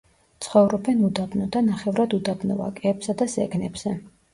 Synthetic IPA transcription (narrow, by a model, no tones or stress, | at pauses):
t̪sʰχɔvɾɔbɛnud̪abnɔd̪anaχɛvɾad̪ud̪abnɔ̰va̰kʼɛːbsad̪azɛɡnɛbz̥ɛ